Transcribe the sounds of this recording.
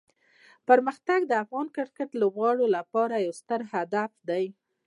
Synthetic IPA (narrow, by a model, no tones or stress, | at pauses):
pəɾməxt̪aɡd̪əafɣɑnkɪɾkəʈlobɣɑɽolapɑɾajawst̪əɾhad̪afd̪aj